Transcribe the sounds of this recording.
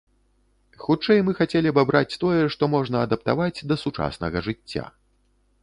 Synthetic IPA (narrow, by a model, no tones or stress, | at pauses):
xut͡ʂɛjmɨxat͡sʲelʲiɐbabɾat͡sʲt̪ɔjɛʂt̪ɔmɔʐnɐːd̪ɐpt̪a̰vad͡zʲd̪ɐsut͡ʂa̰sn̪ɐɣɐʐɨt͡sʲːa̰